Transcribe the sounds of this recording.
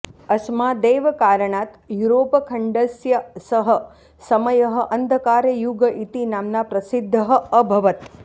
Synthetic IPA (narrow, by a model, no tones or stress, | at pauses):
ɐsmaːd̪eːʋɐkaːɾəɳaːt̪juɾoːpɐkʰɐɳɖɐsjɐsɐɦə̆ | sɐməjɐɦɐ̆ʔɐnd̪ʱəkaːɾjɐjuɡəʔit̪inaːmnapɾɐsɪd̪ʱːəɦɐ̆əbʱɐʋɐt̪